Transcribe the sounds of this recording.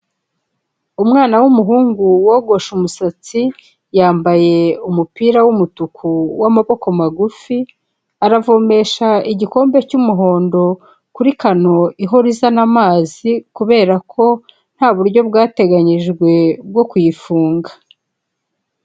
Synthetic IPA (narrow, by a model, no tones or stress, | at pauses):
umŋaːnawumuɦuːŋɡuwoɡo̞ʃumusat͡si | jaːmbaje̞umupiːɾawumutukʰuwamaβo̞ko̞maɡufi | aɾavo̞me̞ʃaiɟiko̞ːmbe̞cumuɦo̞ːndo̞ | kuɾikano̞iɦoɾizanamaːzikuβe̞ːɾakʰo̞ | n̥haːβuɾɟo̞b̚ɡaːte̞ɡaɲiʒɡwe̞b̚ɡo̞kujifuːŋɡḁ